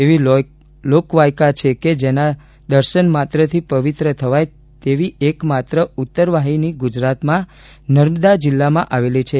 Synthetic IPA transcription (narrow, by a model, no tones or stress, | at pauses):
eʋi | lokʋajkat͡ʃʰeked͡ʒena | d̪əɾʃənmat̪ɾət̪ʰipəʋit̪ɾət̪ʰəʋaj | t̪eʋiʔekmat̪ɾəut̪ːəɾʋaɦiniɡud͡ʒɾat̪mã | nəɾməd̪ad͡ʒɪlːamãʔaʋelit͡ʃʰe